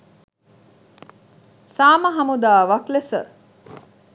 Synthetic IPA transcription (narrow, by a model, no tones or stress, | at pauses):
saːməɦɐmud̪aːʋaklesə̰